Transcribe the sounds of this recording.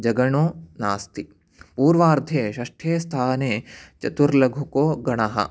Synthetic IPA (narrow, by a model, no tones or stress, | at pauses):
d͡ʒɐɡɐɳoːnaːst̪i | puːɾʋaːɾd̪ʱeːʃɐʂʈʰeːst̪ʰaːneːt͡ʃɐt̪uɾlɐɡʱukoːɡɐɳɐɦɐ̰